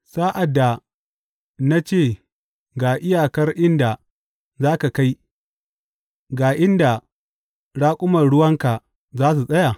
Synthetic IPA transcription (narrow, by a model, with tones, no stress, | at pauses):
saː˦ʔa˨dːa˨ | na˦t͡ʃeː˦˨ | ɡaː˨ʔɪ˦jaː˨kɐ˦rʔɪ˦nda˨ | zaː˦ka˨ka˦j | ɡaː˨ʔɪ˦nda˨ | ɽaː˦kʷʼʊ˦mɐ˨nɽʊ˦wɐ˦ŋka˨ | zaː˦s̬u˨sʼɐ˦ja˨